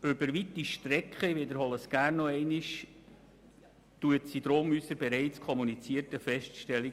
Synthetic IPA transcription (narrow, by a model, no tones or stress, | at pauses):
øbəɾʋit̪iʃtɾɛkχəʋedəɾhɔləsɡ̥æːrnːɔɛɪniʃ | tuətsid̥̪ɾoːmysəɾbɛɾɛɪt͡skʰɔmunit͡siəɾtəfɛʃtʃtɛli